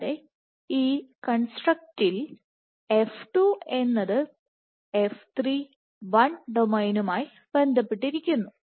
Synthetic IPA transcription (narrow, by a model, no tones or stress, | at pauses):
ðe | iːkɐɳsʈrɐk̚til | e̞fʈue̞nːɐðɨ | eft̪ʰriː | ʋɐɳɖomɐjnumaːj | ʋe̞nd̪ɐpːeʈːiɾikʲːunːu